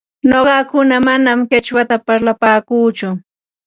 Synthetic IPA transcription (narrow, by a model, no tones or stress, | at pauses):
noɢɑkʊnamanamket͡ʃwat̪apaɾlapaːkuːt͡ʃʊ